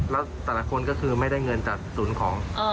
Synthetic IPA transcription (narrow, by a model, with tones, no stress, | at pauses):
lɛː˦˥wt̪ɛː˨˩la˦˩kʰo˧nkɔː˥˩kʰɯː˧ma˥˩jda˥˩jŋɤ˧nt͡ɕaː˨˩k̚suː˩˦nkʰɔː˩˦ŋʔː